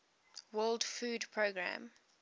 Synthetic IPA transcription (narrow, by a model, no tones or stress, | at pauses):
wɜldfuːdpʰɹoɡɹã̰m